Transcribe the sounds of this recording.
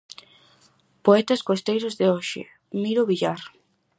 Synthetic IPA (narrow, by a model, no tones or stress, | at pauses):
poɛt̪ɐskost̪ejɾozðeoʃɪ̰ | miɾʊβiʎaɾ